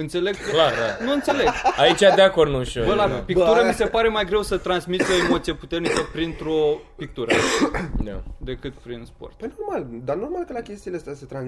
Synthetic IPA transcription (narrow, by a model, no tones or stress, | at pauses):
ɨnt̪se̞le̞ɡlad̪a̰nuɨnt̪se̞leɡait͡ʃʲad̪eako̞rnuʃovəlapik̚t̪uɾəmise̞paɾe̞majɡɾe̞wsət̪ɾansmit̪o̞emo̞t̪sijeput̪e̞rnikəpɾint̪ɾopik̚t̪uɾə̰d̪a̰d̪e̞kɨt̪pɾinspo̞̰rt̪pəjno̞rmald̪ano̞rmalkəlakʲe̞st̪ileast̪aset̪ɾan